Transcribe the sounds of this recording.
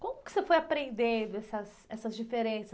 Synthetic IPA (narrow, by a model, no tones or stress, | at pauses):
kõmʊkɪ̥sefojapɾẽnd̪ẽnd̪ʊɛsɐs | ɛsɐzd͡ʒifeɾẽsɐ